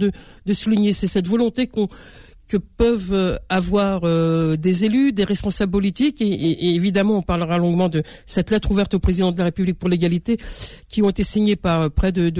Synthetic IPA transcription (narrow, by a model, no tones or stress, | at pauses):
d̪əd̪əsuliɲesɛsɛt̪vɔlɔ̃t̪ekɔ̃ | kəpœvavwaʁød̪ezelyd̪eʁɛspɔ̃sabləpɔlit̪ikeʔːvid̪amɑ̃ɔ̃paʁləʁalɔ̃ɡmɑ̃d̪ə | sɛt̪lɛt̪χuvɛʁt̪opχezid̪ɑ̃d̪əlaʁepyblik̚puʁleɡalit̪ekʲiɔ̃et̪esiɲepaʁøpχɛd̪əd̪